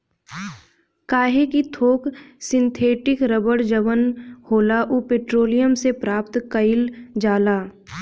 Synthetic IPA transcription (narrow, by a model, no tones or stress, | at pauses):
kaːɦekit̪ʰoːksɪ̃nt̪ʰeːʈɪkɾəbəɽd͡ʒəʋənhoːlaʔupeːʈɾoːlijəmsepɾaːpt̪kəɪld͡ʒaːlaː